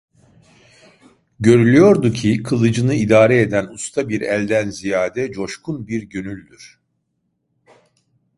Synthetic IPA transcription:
ɟø̞ɾylʲyjo̞ɾd̪ucʰikʰɯlˠɯd͡ʒɯnɯid̪aːɾɛed̪ænust̪ʰabiɾælʲd̪ænzijaːd̪ɛd͡ʒo̞ʃkʰunbiɾɟønylʲd̪yɾ̥

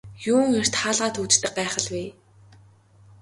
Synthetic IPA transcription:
juːŋer̥t̪χaːɮʁaːt̪ʰut͡ɕt̪ɘ̆k̚ɢaːχə̆ɮwiː

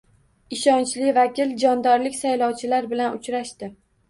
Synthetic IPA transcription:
ɪʃɒnt͡ʃlɪvakʲɪld͡ʒɒnd̪ɒɾlɪkʲsajlɒwt͡ʃʰɪlaɾbɪlanʊt͡ʃɾaʃt̪ɪ

